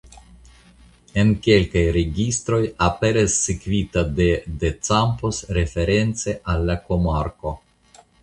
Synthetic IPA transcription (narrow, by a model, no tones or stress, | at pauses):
e̞nke̞lkajɾeɡist̪ɾo̞jape̞ɾasːikvit̪ad̪e̞d̪et͡sampo̞sɾe̞fe̞ɾe̞nt͡se̞ʔalːako̞maɾko̞